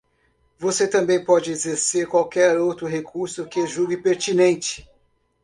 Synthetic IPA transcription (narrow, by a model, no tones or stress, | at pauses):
voset̪ɐ̃mbẽj̃pɔd͡ʒɪezeɾseɾkwawkɛɾowt̪ɾʊɦekʰuɾsʊkɪʒuɡɪpeɾt͡ʃinẽnt͡ʃɪ̥